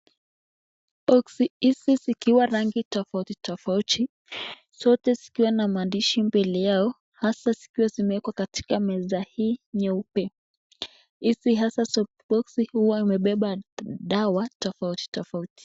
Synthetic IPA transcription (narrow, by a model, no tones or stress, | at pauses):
ɔksiisizikiwaɾaŋɡitɔfautitɔfautʰi | sɔtɛzikiwanamaːndiʃimbilijaɔ | hasazi̥kiwazimɛɛkwakati̥kamɛzahiːɲɛupɛ | isiɦasasɔ | ɓɔksihuwaimɛɓɛɓaɗawatɔfauti̥tɔfauti̥